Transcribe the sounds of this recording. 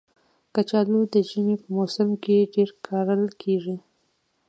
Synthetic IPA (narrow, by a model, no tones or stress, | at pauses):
kat͡ʃɑlud̪əʒinepəmosɪmkeɖeɾkʰɑɾəlkʰeʐi